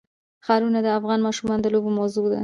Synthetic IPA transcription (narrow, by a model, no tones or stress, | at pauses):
xɑɾunad̪əafɣɑnmɑʃumɑnd̪əlobomawzod̪a̰